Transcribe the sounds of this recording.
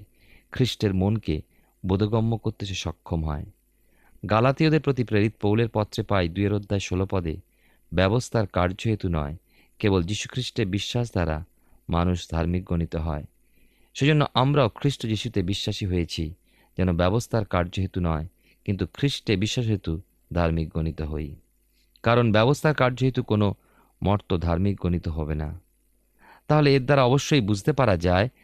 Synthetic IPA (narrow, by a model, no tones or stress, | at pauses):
kʰɾiʃʈeɾmonke | bod̪ʱoɡɔmːokoɾt̪eʃeʃɔkʰːomɦɔ̰e | ɡalat̪iod̪eɾpɾot̪̬ipɾeɾit̪̚powleɾpɔt̪ːɾepajd̪ueɾod̪ʱːaeʃolopɔd̪ḛ | bɛbost̪ʰaɾkaɾd͡ʑoɦet̪unɔ̰e | kebold͡ʑiʃu̥kʰɾiʃʈeɾbiʃːaʃ̬d̪ʱaɾa̰ | ma̰nuʃd̪ʱaɾmik̚ɡonit̪oɦɔ̰e | ʃed͡ʑonːoʔamɾaokʰɾiʃʈod͡ʑiʃut̪ebiʃːaʃiɦojet͡ɕʰi | d͡ʑɛnobɛbost̪ʰaɾkaɾd͡ʑoɦet̪unɔe | kint̪ukʰɾiʃʈebiʃːaʃɦet̪u | d̪ʱaɾmik̚ɡonit̪oɦoj | kaɾonbɛbost̪ʰaɾkaɾd͡ʑoɦet̪ukono | mɔɾt̪od̪ʱaɾmik̚ɡonit̪oɦɔbena̰ | t̪aɦoleeɾd̪aɾaɔboʃːojbud͡ʑʱt̪epaɾad͡ʑae